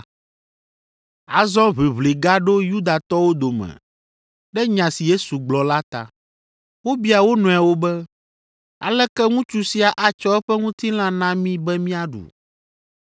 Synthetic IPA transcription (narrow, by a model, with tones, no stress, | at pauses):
a˨zɔ̃˦βe˨βle˨ɡa˦ɖo˦ju˦d̪a˨t̪ɔ˦wo˦d̪o˨mɛ̰̃˨ | ɖɛ˦ɲã˨si˨je˦su˨ɡ͡blɔ˨la˦t̪a̰˨ | wo˦bi˦a˨wo˦nɔ̃˨a˨wo˦bɛ˦ | a̰˨lɛ˦kɛ˦ŋũ˦t͡ʃu˦si˨a˨ʔa˨t͡ʃɔ˦ɛ˦ɸɛ˦ŋũ˦t̪i˦l̃ã˦nã˦mĩ˦bɛ˦mĩ˦a˨ɖṵ˨